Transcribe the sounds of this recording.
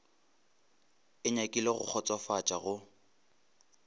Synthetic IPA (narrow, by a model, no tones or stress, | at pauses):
ɪɲakʼileɣʊk͡xʰɔt͡sʼwafat͡ʃʼaɣʊ